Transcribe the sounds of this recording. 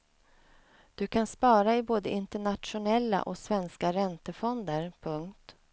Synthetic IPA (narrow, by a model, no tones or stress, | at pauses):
d̪̥ɵkʰanspɑːɾaɪboːd̪əɪnt̪əɳat̪ʂʊnɛlːa̰ʔɔsvɛnskaɾɛnt̪əfɔnd̪əɾpʰɵŋkt̪